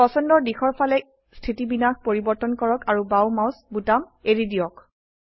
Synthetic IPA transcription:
ɔsɔndɔɹdixɔɹpʰalɛ | stʰitibinaxpoɹibɔɹtɔnkɔɹɔkaɹubawmawsbutameɹidiɔk

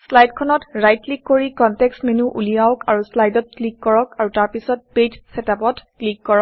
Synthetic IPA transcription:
slajdkʰɔnɔtɹajtlikːoɹikɔntɛksmenuʔṵlijawkaɹuslajdɔt̚klikːɔɹɔkaɹutaɹpisɔt̚petsɛtapɔtklikːɔɹɔk

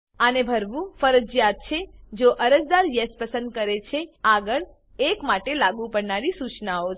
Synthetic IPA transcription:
ənebʱəɾʋũfəɾəd͡ʒjat̪̚t͡ʃʰed͡ʒoʔəɾəd͡ʒd̪aɾjespəsə̃nd̪̚kəɾet͡ʃʰeaɡəɭ | ekmaʈelaɡũpəɾnaɾisut͡ʃnao

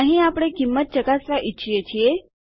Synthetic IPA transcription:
aɦĩːapɽekimːət̪̚t͡ɕəkasʋaʔitːɕʰijet͡ɕije

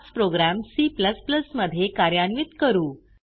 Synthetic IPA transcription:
t͡spɾoɡɾæmsiːpləspləsməd̪ʱːjekaɾjaɳʋit̪kəɾuː

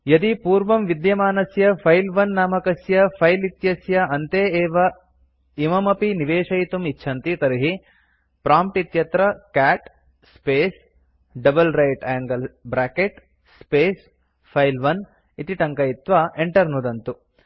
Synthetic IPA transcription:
jɐd̪ipuːɾʋɐmʋid̪jɐmaːnɐsjɐpʰɐjlʋɐnːaːmɐkɐsjɐpʰɐjlit̪jɐsjɐɐnt̪eːeːʋɐ | imɐmɐpiniʋeːʂɐjt̪umitːʃʰɐnt̪it̪ɐɾiɦi | pɾaːmpʈit̪jɐt̪ɾɐkaːʈ | speːs | ɖɐbɐlɾɐjʈaːŋɡɐlbɾaːkeʈ | speːs | pʰɐjlʋɐn | it̪iʈɐŋkɐit̪ʋaeɳʈɐɾnud̪ɐnt̪u

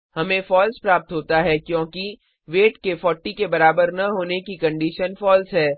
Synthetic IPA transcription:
hɐmẽfɔːlspɾaːp̚t̪ɦoːt̪aɦɛkjõːki | ʋeːʈkefɔːʈikebɐɾaːbəɾnɐɦoːnekikɐ̃ɳɖiːʃənfɔːlsɦɛː

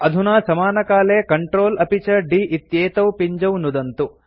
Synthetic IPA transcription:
ɐd̪ʱunaːsɐmaːnɐkaːleːkɐɳʈɾoːlɐpit͡ʃɐɖiːʔit̪jeːt̪ɐwpiɲd͡ʒɐwnud̪ɐnt̪u

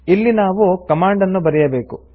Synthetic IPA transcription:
ilːinaːʋukɐmaːɳɖɐnːubɐɾɛjɐbeːku

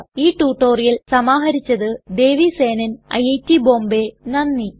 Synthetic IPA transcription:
iːʈːuːʈːoːrijɐlsɐmaːɦɐɾit͡ɕːɐðɨd̪e̞ːʋise̞ːnɐnɐ̰jejtːiboːmbe̞nɐnːi

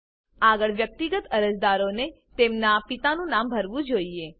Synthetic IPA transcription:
aɡəɭʋjək̚t̪iɡət̪əɾəd͡ʒd̪aɾone | t̪emnapit̪anũnambʱəɾʋũd͡ʒoie

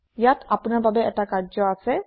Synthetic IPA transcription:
jat̪apunaɹbabɛɛtakaɹd͡ʒɔasɛ

